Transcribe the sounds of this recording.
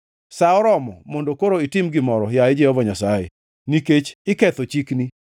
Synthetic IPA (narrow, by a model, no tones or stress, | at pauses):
saɔɾɔmɔmɔndokoɾoitɪmɡɪmɔɾɔjaɪd͡ʒɛhɔvaɲasajḛ | niket͡ʃɪkɛt̪ɔt͡ʃikni